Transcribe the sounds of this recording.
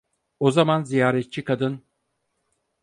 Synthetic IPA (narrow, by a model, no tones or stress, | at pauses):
o̞zamanzijaːɾɛt̪̚t͡ʃʰikʰad̪ɯn